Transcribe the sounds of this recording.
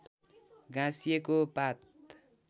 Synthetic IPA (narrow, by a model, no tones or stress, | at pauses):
ɡãsijekopat̪̚